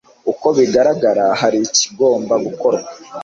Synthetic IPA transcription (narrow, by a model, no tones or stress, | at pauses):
uko̞βiɡaɾaɡaɾahaɾici̥ɡo̞ːmbaɡuko̞ɾɡa